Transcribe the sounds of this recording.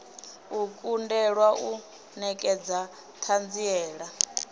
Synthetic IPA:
ukʼundɛɺwaʔu | nɛkʼɛd͡za | t̪ʰand͡ziɛːɺa

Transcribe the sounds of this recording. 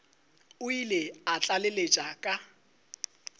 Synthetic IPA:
ʊileat͡ɬʼalelet͡ʃʼakʼa

